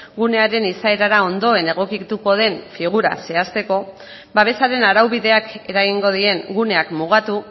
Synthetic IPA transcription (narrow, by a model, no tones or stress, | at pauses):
ɡune̞aɾe̞nisae̞ɾaɾao̞nd̪o̞e̞ne̞ɣ̞o̞kit̪uko̞ð̞e̞ɱfiɣ̞uɾa̰se̞ast̪e̞ko̞ | baβ̞e̞saɾe̞naɾawβiðe̞ake̞ɾaɣ̞iŋɡo̞ð̞ie̞ŋɡune̞akmuɣ̞at̪u